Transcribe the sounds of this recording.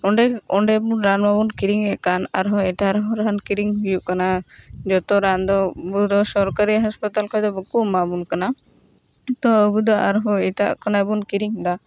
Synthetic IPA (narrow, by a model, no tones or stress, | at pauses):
ɔɳɖɛɔɳɖɛbunɾanmabunkiɾiŋɛkana̰ɾɦɔɛʈaɾɦɔɾankiɾiŋɦujuʔkanad͡ʒɔt̪ɔɾand̪ɔbud̪ɔsɔɾkaɾiɦaspat̪alkʰɔjd̪ɔbəkumabunkana | t̪ɔəbud̪ɔʔaɾɦɔɛʈa̰ʔkʰɔnabunkiɾiŋd̪a